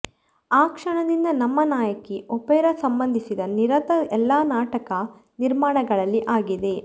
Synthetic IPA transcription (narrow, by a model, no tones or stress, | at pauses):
aːkʂɐɳɐd̪ind̪ɐnɐmːɐnaːjɐkːiʔɔpeːɾɐsɐmbɐnd̪ʱisid̪ɐniɾɐt̪ɐɛlːaːnaːʈɐkɐ | niɾmaːɳɐɡɐɭɐlːiʔaːɡid̪e̞